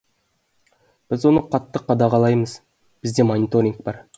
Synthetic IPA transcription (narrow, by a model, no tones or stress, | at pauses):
b̥ɪzwo̞nəqʰɑt̪ːəqʰːɑd̪ɑʁɑlˠɑjməz | b̥ɪzd̪e̞monʲit̪o̞ɾʲiŋk̚bɑɾ